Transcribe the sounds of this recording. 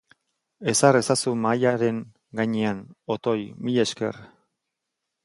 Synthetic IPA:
e̞sare̞sasumajaɾe̞ŋ | ɡaɲeano̞t̪o̞jmiʎe̞ske̞̰r

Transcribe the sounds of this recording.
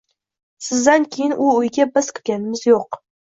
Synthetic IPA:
sɪzd̪ankʲʰejɪnʔʊʊjɡʲabɪz̥kʲʰɪ̥ɾɡʲanɪmɪzjoq

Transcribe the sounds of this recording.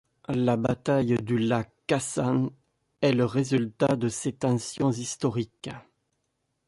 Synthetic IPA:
labat̪ajd̪ylakasan | ɛləʁezylt̪ad̪əset̪ɑ̃sjɔ̃zist̪ɔʁik

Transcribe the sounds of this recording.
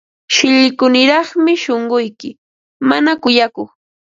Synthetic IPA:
ʃɪʎɪkʊnɪɾɑχmɪʃoɴɢʊjkɪ | manakʊjakoχ

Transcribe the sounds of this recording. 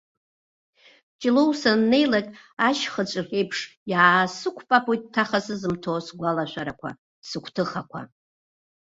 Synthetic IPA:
t͡ʃʼɪlowsanːe̞jlakʲʼ | aʃχət͡ʃʷʼɨre̞jpʰʂjaːsɨkʷʰpʼapʰojt̚ʼtʰːaχasɨzɨmtʰosɡʷalaʃʷaɾakʷʰa̰ | sɨkʷʰtʰɨχakʷʰa̰

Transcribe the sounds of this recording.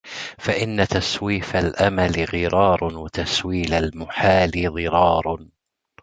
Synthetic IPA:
faʔɪnːat̪aswiːfalʔamalɪɣɨɾɑːɾˤwat̪aswiːlalmʊħaːlɪɣɨɾɑːɾˤ

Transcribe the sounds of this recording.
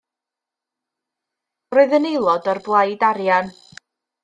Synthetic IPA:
roːɨðənejlˠɔdarblˠajdaɾjan

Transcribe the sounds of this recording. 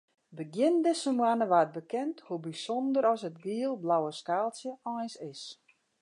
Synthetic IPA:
bəɡjɪndɪsəmwanəʋaːət̚bəkɛnthubisɔndəɾɔsətɡiəlˠblawəskaːlˠsjəɔjsɪs

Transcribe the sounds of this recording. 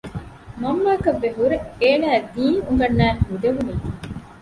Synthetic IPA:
mɐmːaːkɐʋːeɦuɾeeːnæːd̪iːnuŋɡɐnːæːɾhud̪eʋuni

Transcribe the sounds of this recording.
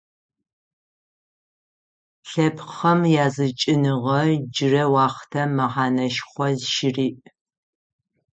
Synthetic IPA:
ɬɐpʰχɐmjaːzɨt͡ʃʼɪnɨʁɐd͡ʒɪrɐwɑːχtʰɐmɐʁɑːnɐʃχʷɔzʃɪriːʔ

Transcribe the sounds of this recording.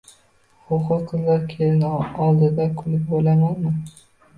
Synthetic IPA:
hʊqʊqqːɨzlaɾkʲʰelɪnɒlˠd̪ɪd̪akʰʊlɪp̚bolamanmɪ

